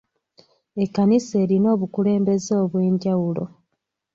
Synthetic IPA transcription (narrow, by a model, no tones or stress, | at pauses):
ekːanise̞ːɾino̞ːβukule̞ːmbe̞zoːβwe̞ːɲɟawulo̞̰